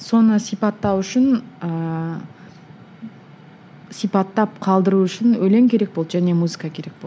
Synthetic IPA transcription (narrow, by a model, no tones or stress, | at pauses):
so̞nəsijpɑt̪ːɑwʏʃɪnə | sijpɑt̪ːɑp̚qʰɑlˠd̪əɾuʏʃɪnɵjle̞ŋkʲʰe̞ɾe̞k̚bo̞lˠd̪ʒæne̞muzɨkɑkʲʰe̞ɾe̞k̚bolˠ